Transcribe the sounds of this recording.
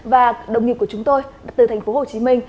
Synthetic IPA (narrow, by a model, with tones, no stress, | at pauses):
vaː˨˩ɗə˨˩wŋ͡mŋi˨˩ku˧˩ət͡ɕʊ˨˦ŋ͡mt̪o˧jt̪ɨ˨˩t̪ʰɛ˨˩jŋ̟fo˨˦ho˨˩t͡ɕi˨˦mï˧ŋ̟